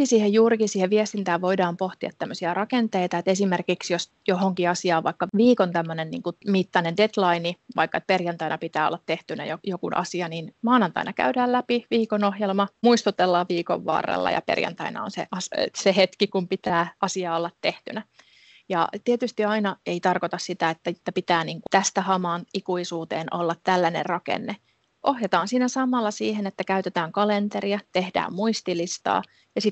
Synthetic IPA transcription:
isiːhejjuːɾikisiːheʋʋiest̪int̪æːʋʋoidɑːmpoht̪iɑt̪t̪ːæmːøsiɑrɑkent̪eit̪ɑet̪esimerkiksjos | johoŋkiɑsiɑːʋʋɑ̰ikːɑʋiːkont̪æmːønennḭːŋkumit̪ːɑnendet̪lɑiniʋɑ̰ikːɑet̪̚perjɑnt̪ɑinɑpit̪æːo̰lːɑt̪t̪eht̪ynæ̰jojokunʔɑ̰siɑninmɑːnɑnt̪ɑ̰inɑkæ̰ydæːlæpiʋiːkonohjelmɑmuist̪ut̪elːɑʋiːko̰ʋːɑ̰ːrḛlːɑ̰jɑ̰pḛrjɑ̰nt̪ɑinɑ̰o̰nsḛʔɑssehet̪kikumpit̪æːɑsiɑːolːɑt̪te̞ht̪ynæ | jɑ̰t̪iet̪yst̪iɑinɑe̞it̪ɑrkot̪ɑssit̪æet̪ːæt̪ːæpit̪æːniːŋkut̪æst̪æhɑmɑːnikuisuːt̪eːnʔo̰lːɑt̪tælːænḛrrɑkḛnːe | ʔohjet̪ɑːnsiːnæsɑmːˑɑlːɑsiːhenet̪ːækæyt̪et̪æːŋkɑlent̪eɾiɑt̪ehdæ̰ːmmuist̪ilist̪ɑ̰ː | jɑsit̪

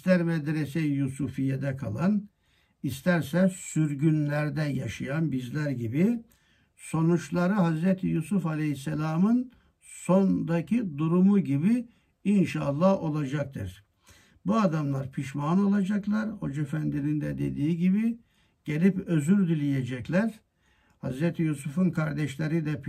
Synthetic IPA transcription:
ist̪æɾmɛd̪ɾesejusufijed̪ɛkʰa̰lˠan | ist̪æɾsɛsyɾɟynlʲæɾd̪ɛjaʃajanbizlʲæɾɟibi | so̞nut͡ʃlˠaɾɯɦazɾɛt̪ʰijusufalʲehisːɛlʲaːmɯn | so̞nd̪acʰid̪uɾumuɟibi | inʃaːlˠːaho̞lˠad͡ʒak̚t̪ʰɯ̰ɾ̥ | buad̪amlˠaɾpʰiʃmano̞lˠad͡ʒaklˠaɾho̞d͡ʒefænd̪inind̪ɛd̪e̞̰d̪iːiɟibi | ɟ̥elʲipø̞zyɾd̪ilʲijed͡ʒɛclʲæɾ̥ | ha̰zɾɛt̪ʰijusufunkʰaɾd̪ɛʃlʲeɾid̪ɛp

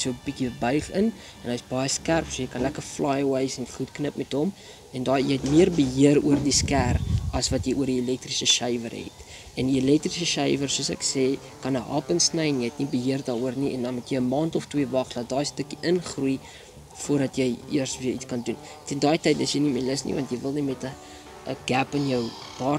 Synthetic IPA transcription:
sjuwbikiəbœɥχən | ɛnɐjsbɐjəskærpsuəjəjkɐnlækərflɑːjwɐjsɛnχutknəpmɛtɦɔm | ɛndɑːjəjɦɛtmiərbəɦiəɾuərdiskærɐsvɐtjəjuəɾiilɛk̚trisəsœjvə̰rɦɛ̰t | ɛniilɛk̚trisəʃɛjvərsuəsɛ̰kseː | kɐnəʔɑ̰ːpənsnəjnjiəɦɛtnibəɦiərdɑːɾuərniɛndɐnmutjəjəmɑːntɔftwiəvɐχlɑːdɑːstəkiʔənχruj | fuərdɐtjəjiərsviəit͡skɐndun | tɛndɑːjtəjtəsjəjnimiələsnḭvɐntjəjvəlˠnimɛtə | əɡ̥æpənjəwd̥ɑːr

